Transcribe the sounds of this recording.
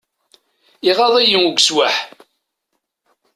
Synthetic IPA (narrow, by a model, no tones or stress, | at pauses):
iʁɑðˤæjəŋuɡʷswaħ